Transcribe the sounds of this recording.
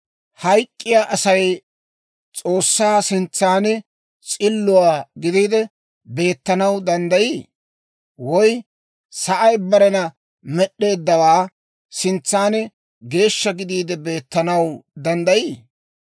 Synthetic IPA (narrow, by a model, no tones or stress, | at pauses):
hɐjkʼːɪjaːʔɐsɐj | t͡sʼo̞ːsːaːsɪnt͡sːaːnɛ | t͡sʼɪlːʊwaːɡɪd̪iːd̪ɛ | be̞ːt̪ːɐnɐwd̪ɐnd̪ɐjiː | wɔj | sɐʔɐjbɐɾɛnɐ | mɛɗːe̞ːd̪ːɐwaː | sɪnt͡sːaːnɛ | ɡe̞ːʃːɐɡɪd̪iːd̪ɛbe̞ːt̪ːɐnɐwd̪ɐnd̪ɐjiː